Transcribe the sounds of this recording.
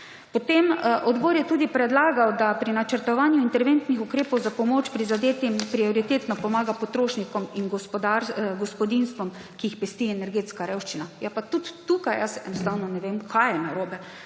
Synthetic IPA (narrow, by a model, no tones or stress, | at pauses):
pot̪emʔɔd̪bɔːɾjɛt̪uːd̪ipɾɛd̪laːɡawd̪apɾinat͡ʃəɾt̪ɔʋaːnjuint̪ɛɾʋent̪nixukɾeːpɔwzapɔmoːt͡ʃpɾizad̪eːt̪impɾiɔɾit̪et̪nɔpɔmaːɡapɔt̪ɾoːʃnikɔminɡɔspɔd̪aɾɡɔspɔd̪inst̪ʋɔm | kijixpɛst̪iɛnɛɾɡeːt̪skaɾewʃt͡ʃinajapat̪ut̪ːukajjasɛ̰nɔst̪awnɔnɛʋeːmkʰajɛnaɾoːbɛ